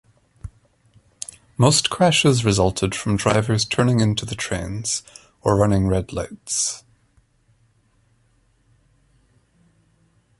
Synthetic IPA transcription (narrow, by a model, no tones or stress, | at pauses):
moskʰɹ̥aʃɪzɹɪzʌlˠtʰɪd̥fɹə̃mdɹaɪvə˞z̥tʰɜ˞ñɪ̃ŋɪ̃ntʰʉðətʰɹ̥ḛ̃nz̥ | ə˞ɹʌnɪ̃ŋɹɛdˡlˠaɪts